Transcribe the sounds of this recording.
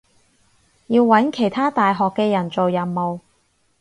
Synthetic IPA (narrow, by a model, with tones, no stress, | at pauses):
jiː˧wːɐ˨˥nkʰe˨˩jt̪ʰaː˥t̪aː˨jɦɔː˨kːɛː˧jɐ˨˩nt͡so˨wjɐ˨˩nmo˨w